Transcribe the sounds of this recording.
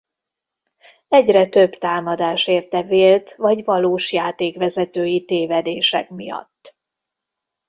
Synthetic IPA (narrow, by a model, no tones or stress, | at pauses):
ɛɟrɛt̪ø̞bt̪aːmɒd̪aːʃeːrt̪ɛveːlt̪vɒɟvɒloːʃjaːt̪eːkʋɛzɛt̪øːjit̪eːvɛd̪eːʃɛ̰kmijɒ̰t̪ː